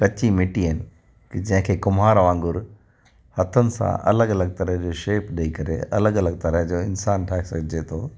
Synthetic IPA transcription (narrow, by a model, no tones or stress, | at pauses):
kɐt͡ɕimɪʈiɦɪnɪ | kd͡ʑɐ̃ɦɪ̃kʰeːkʊmɦaːɾʋãːŋɡʊɾ | hɐt̪ʰənɪ̆sã̰ʔɐ̰ləɡɐləɡ̚t̪ɐɾəɦd͡ʑoːʃeːpɗɐikɐɾḛɐ̰ləɡɐləɡ̚t̪ɐɾəɦd͡ʑoːɪnsaːnʈʰaːɦesɐɡʱɪd͡ʑet̪ʰoː